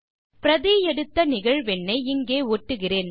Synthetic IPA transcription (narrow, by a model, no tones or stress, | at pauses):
pɪɾɐðiːjɛɽɯt̪ːɐnɪɣɐɻʋɛnːɐɪɪŋɡeːoːʈːɯɣɪreːn